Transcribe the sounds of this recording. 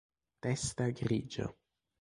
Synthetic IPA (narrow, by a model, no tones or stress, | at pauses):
testaɡɾid͡ʒo̰